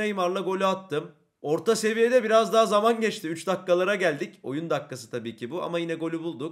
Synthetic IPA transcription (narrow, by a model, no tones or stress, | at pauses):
ajɯmaɾlˠaɡo̞lʲuat̪ʰːɯm | o̞ɾt̪ʰase̞vijed̪ɛbiɾazd̪aɦazamanɟɛt͡ʃt̪ʰiyt͡ʃd̪akːalˠaɾaɟælʲd̪ico̞̰jund̪akːasɯ̥t̪ʰabiːcʰibua̰majinɛɡo̞lʲubulˠd̪uk̚